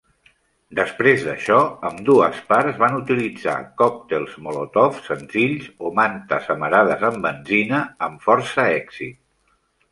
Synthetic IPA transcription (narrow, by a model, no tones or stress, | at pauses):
d̪əspɾezðəʃɔəmd̪uəspaɾzβanut̪ilid͡za̰kɔk̚t̪elˠzmolot̪ɔfsənziʎzomant̪əzəməɾaðəzəmbənzinəːɱfɔɾsəɛɡz̥ḭt̪̚